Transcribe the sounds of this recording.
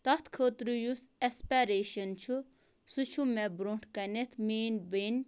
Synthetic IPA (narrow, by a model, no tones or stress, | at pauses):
t̪ɐt̪ʰkʰəːt̪ɾujusespeːɾeːʃɐnt͡ʃʰu | sut͡ʃʰumebɾoːɳʈʰkɐnet̪ʰmeːnbeːnʲ